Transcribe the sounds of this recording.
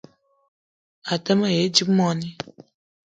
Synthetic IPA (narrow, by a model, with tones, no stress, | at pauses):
a˨tə˦ma˦je˨˦d͡ʒi˦pmɔ˦ni˦